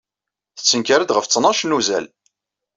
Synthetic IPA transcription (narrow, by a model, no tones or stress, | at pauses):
θət͡sːənkaɾəd̪ʁəft͡sːnɑʃnuzæ̰l